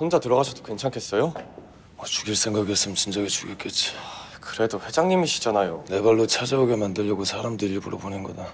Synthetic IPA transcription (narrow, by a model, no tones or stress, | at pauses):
ɸond͡ʑatɯɾʌɡasʰʌdokwe̞nt͡ɕʰaŋkʰes͈ʌjo | ʌt͡ɕuɡiɭs͈ʰe̞ŋɡaɡies͈ɯmjʌnt͡ɕind͡ʑaɡet͡ɕuɡek͈et̚t͡ɕ͈i̥ | kɯɾe̞doɸwe̞d͡ʑaŋɲimiɕʰi̥d͡ʑanajone̞baɭːot͡ɕʰad͡ʑauɡe̞mandɯʎːʌɡosʰaɾamdɯʎːibuɾo̰bonɯnɡʌda